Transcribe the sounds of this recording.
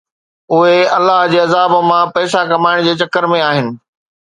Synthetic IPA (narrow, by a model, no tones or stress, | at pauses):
ʊɦeɐlːaɦd͡ʑeːɐzaːbə̆mãpɛːsakɐmaːɪɽ̃d͡ʑeːt͡ɕɐkːəɾmẽaːɦɪnɪ̆